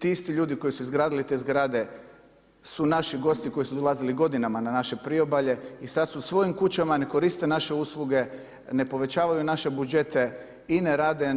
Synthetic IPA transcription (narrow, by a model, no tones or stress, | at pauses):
t̪iist̪iʎuːd̪iko̞jisuizɡɾaːd̪ilit̪e̞ːzɡɾaːd̪e̞ | sunaʃiɡo̞st̪iko̞jisud̪o̞lˠaziliɡo̞d̪inamananaʃe̞pɾio̞baʎe̞isad̪susʋo̞jimkut͡ɕamane̞ko̞ɾist̪e̞naʃe̞uːslˠuɡe̞ | ne̞po̞ʋe̞t͡ɕaːʋajunaʃe̞bud͡ʒe̞t̪e̞ | ineɾaːd̪e̞